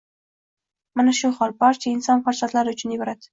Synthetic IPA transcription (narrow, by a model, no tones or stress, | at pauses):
manaʃʊhɒlˠbɒɾt͡ʃʰaɪnsɒnfaɾsat̪laɾɪʊt͡ʃʰʊnɪbɒɾad̪ɪ̥